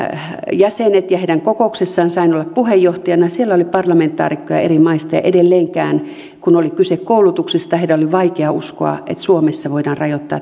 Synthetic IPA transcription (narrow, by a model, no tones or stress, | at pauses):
jæsenet̪jɑheiɾæŋkokoˑuksesːɑːnsɑinolːɑppuhejːoht̪ɑjɑnɑsielːæolipɑrlɑment̪ːˑɑ̰ːrikːojɑ̰ḛrimɑist̪ɑjɑ̰ʔedelːeːŋkæːn | kunolikysekkoulut̪uksist̪ɑeidæoliʋɑikeɑʔusko̰ɑ̰ḛt̪suomesːɑʋoidɑːnrɑjot̪ːɑ̰ː